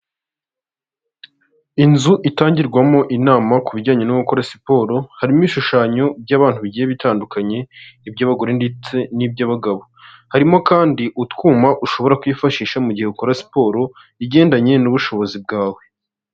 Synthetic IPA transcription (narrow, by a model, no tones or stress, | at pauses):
inzuʔitaːɲɟiɾɡwamo̞ʔinaːmakuβiɟɟaːɲe̞nuβukoɾasi̥po̞ːɾo̞haɾimwiʃuʃaːɲo̞b̚ɟaːβaːn̥huβiɟijeβitaːndukaɲe̞ibɟaːβaɡoɾendit͡se̞nib̚ɟaβaɡaβo̞haɾimo̞kaːndiʔutkwuːmaʔuʃo̞βo̞ɾakujifaʃiːʃamuɟihe̞ukoɾasi̥po̞ːɾo̞ | iɟe̞ːndaɲe̞nuβuʃo̞βo̞zib̚ɡaːwe̞